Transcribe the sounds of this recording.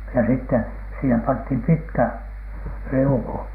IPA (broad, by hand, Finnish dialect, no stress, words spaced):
jɑ sitːe siːhem pɑnthim pitkæ riuku